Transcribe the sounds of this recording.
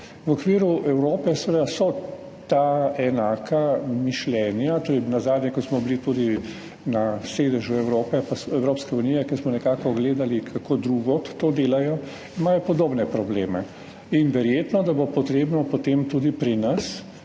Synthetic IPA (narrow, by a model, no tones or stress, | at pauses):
ʋɔkʋiːɾuʔɛwɾoːpɛsʋeed̪asɔ | t̪aɛnaːkʰamiʃlɛnjat̪oːɾɛjnazaːd̪nʲjɛkɔsmɔblit̪ud̪i | naseːd̪əʒuɛwɾoːpɛpasɛwɾoːpskɛuniːjɛkɛsmɔnɛkaːkɔɡleːd̪alikʰakoːd̪ɾuɡɔt̪oːd̪eːlajɔ | imaːjɔpɔd̪oːbnɛpɾɔbleːmɛ | inʋɛɾjeːt̪nɔd̪abopɔt̪ɾeːbnɔpot̪emt̪uːd̪ipɾinɐs